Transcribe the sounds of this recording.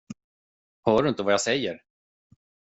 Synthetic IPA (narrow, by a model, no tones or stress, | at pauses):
hœːɖɵɪnt̪əvajasɛjːəɾ